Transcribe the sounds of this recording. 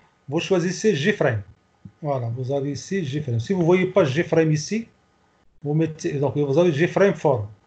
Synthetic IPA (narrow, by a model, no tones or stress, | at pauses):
voʃwaziseʒifɾɛjm | walavozavisiʒifɾɛjmsivuvojipaʒifɾɛjmisi | vomet̪ːd̪ɔ̃kvozaviʒifɾɛjmfɔɾ